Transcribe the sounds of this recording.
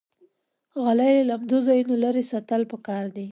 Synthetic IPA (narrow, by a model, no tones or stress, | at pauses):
ɣalajllamd̪ozɑjunolaɾesat̪əlpəkɑɾd̪i